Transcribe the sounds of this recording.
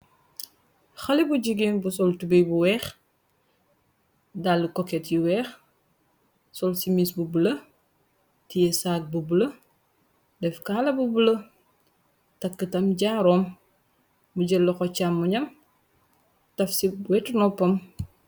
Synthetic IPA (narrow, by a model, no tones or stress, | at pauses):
xɐlibuɟiɡinbusɔltubijbuwɛːx | dalːikɔkɛtjiwɛːx | sɔlsimisbubulɐ | tijɛsaːk̚bubulɐ | dɛfkaːlɐbubulɐ | tɐkːətɐmɟaːɾɔːmː | uɟɛlːɔkɔcamːuɲɐm | tɐfsiwɛtnɔpːɐm